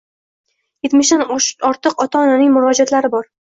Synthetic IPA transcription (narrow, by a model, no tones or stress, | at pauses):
jet̪mɪʃd̪anɒɾt̪ɨqɒt̪ʰaɒnanɪŋmʊɾɒd͡ʒat̪laɾɪbɒɾ